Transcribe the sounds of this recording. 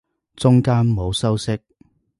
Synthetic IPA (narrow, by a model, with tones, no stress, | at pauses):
t͡sʊ˥ŋkaː˥nmo˨˧wsɐ˥wsɪ˥k̚